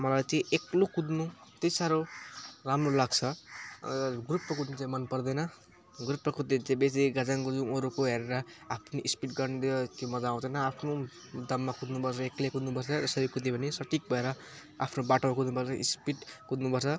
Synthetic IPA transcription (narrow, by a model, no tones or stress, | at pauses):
mʌlat͡siĩʔeklokud̪nut̪esaɾolamrolaɡt͡sʰʌ | ɡuɾut̪pːʌkud̪nit͡sãĩmʌnpʌrd̪ʌjnʌ | ɡɾut̪pːʌkud̪et͡sẽbeseɡad͡zaŋkod͡zũoɾukoɦeɾeɾʌapʰniʔispiʈɡʌrnid̪et̪jomʌd͡zaãt͡sʌnʌapʰno | d̪ʌmːakud̪nupʌrt͡sʰʌeklekud̪nupʌrt͡sʰʌd͡zʌsʌɾikud̪epʰʌnisʌʈʰik̚bʱʌeɾʌ | a̰pʰnobaʈomakud̪nupʌrt͡sʰʌʔḭspiʈkud̪nupʌrt͡sʰʌ